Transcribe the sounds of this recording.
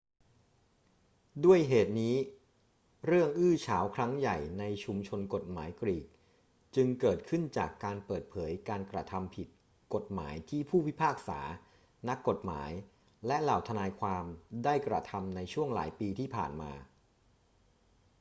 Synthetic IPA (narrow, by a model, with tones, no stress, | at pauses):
du˥˩əjɦeː˨˩t̪̚niː˦˥ | ɾɯ˥˩əŋʔɯː˥˩t͡ɕʰaː˦˥wkʰɾa˦˥ŋja˨˩jna˧jt͡ɕʰu˧mt͡ɕʰo˧nko˨˩t̪̚ma̰ː˩˦jkɾiː˨˩k̚ | t͡ɕɯ˧ŋkɤː˨˩t̪̚kʰɯ˥˩nt͡ɕaː˨˩kːaː˧npɤː˨˩t̪̚pʰɤː˩˦jkaː˧nkɾa˧t̪ʰa˧mpʰi˨˩t̪̚ | ko˨˩t̪̚ma̰ː˩˦jt̪ʰiː˥˩pʰuː˥˩wi˦˥pʰaː˥˩k̚sa̰ː˩˦ | na˦˥kːo˨˩t̪̚ma̰ː˩˦j | lɛ˦˥laː˨˩wt̪ʰa˧naː˧jkʰwaː˧mdaː˥˩jkɾa˧t̪ʰa˧mna˧jt͡ɕʰu˥˩əŋla̰ː˩˦jpiː˧t̪ʰiː˥˩pʰa̰ː˨˩nma̰ː˧